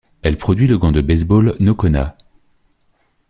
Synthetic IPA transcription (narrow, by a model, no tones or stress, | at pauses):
ɛlpχɔd̪ɥiləɡɑ̃d̪əbɛzbɔlnokɔna̰